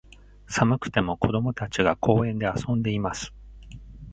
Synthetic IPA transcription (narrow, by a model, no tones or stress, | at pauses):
samɯ̟kɯ̟̥t̪e̞mo̞ko̞d̪o̞mo̞t̪at͡ɕiɡakʰo̞ːẽ̞nd̪e̞asõ̞nd̪e̞imasɨ̥